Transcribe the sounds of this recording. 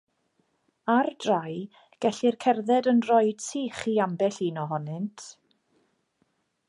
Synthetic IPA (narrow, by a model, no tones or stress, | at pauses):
ardraj | ɡ̥ɛɬirkʰɛrðɛdənrɔɨd̥sʰiːχiːambɛɬinɔɦɔnɪntʰ